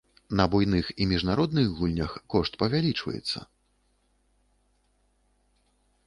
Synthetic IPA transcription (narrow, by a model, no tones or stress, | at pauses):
nɐbujnɨximʲiʐnaɾɔd̪nɨɣɣulʲnʲɐxkɔʂt̪pɐvʲalʲit͡ʂvɐ̰jɛ̰t̪sːɐ̰